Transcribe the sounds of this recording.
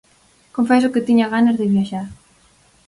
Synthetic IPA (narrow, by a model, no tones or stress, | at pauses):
kõɱfɛsʊkɪt̪iɲaɣanazðɪβjaʃaɾ